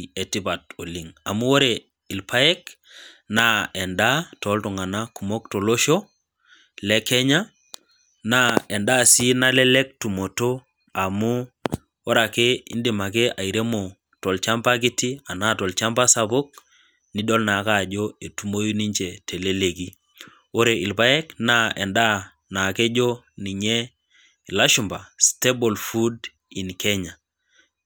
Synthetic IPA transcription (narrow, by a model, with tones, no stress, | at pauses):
e˨ti˦ba˨to˨li˨ŋa˨mu˦o˦ɾe˨ | i˨lpa˦ɛ˦k | na˦ɛ˨nda˦tɔ˨˦ltɔ˨ŋa˨na˦ku˨mo˦k̚to˨lo˦ʃo˦ | lɛ˦kɛ˦ɲa˦ | na˦ɛ˨nda˦˨si˦na˦lɛ˦lɛ˦k̚tu˨mo˨to˦ | a˨mu˦ | o˦ɾa˨ke˦ḭ˦ndi˨ma˨kɛ˦ʔa˨i˨ɾe˦mo˨ | tɔ˨lt͡ʃa˦mpa˦ki˦ti˦a˨na˦˨tɔ˨lt͡ʃa˦mba˦sa˦bʊ˦k̚ | ni˦dɔ˦lna˨ka˦˨d͡ʒo˦e˨tu˦mo˦ju˦ni˦ɲt͡ʃɛ˨te˨le˦le˨ki˦ | o˦ɾe˨i˨lpa˦ɛ˦kna˦ɛ˨nda˦ | na˨ke˦d͡ʒo˦ | ni˨ɲɛ˦˨ | la˦ʃu˨mba˨ste˦bo˨lfu˦d | i˨nkɛ˦ɲa˨